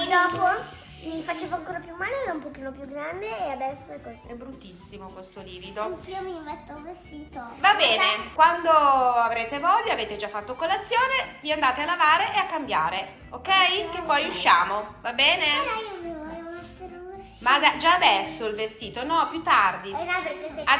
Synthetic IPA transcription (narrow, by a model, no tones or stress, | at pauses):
d̪ɔːpo | mifat͡ʃeːvoaŋkoːɾapjumːaːleɛɾaumpokiːnopjuɡɾand̪eːad̪ɛsːoɛkːoziɛbɾut̪ːisːimokwest̪oliːvid̪oŋkiomimet̪ːouvest̪iːt̪ovabɛːnekwand̪oavɾeːt̪evɔʎːaaveːt̪ed͡ʒafːat̪ːokolat̪sːjoːneviand̪aːt̪ealavaːɾeʔeakːambjaːɾe | okːɛjkepːɔjuʃːaːmovabɛːneɾaiomivɔɛunostenu | mad̪ɛd͡ʒaːd̪ɛsːoilvest̪iːt̪onɔpjut̪ːard̪iapekea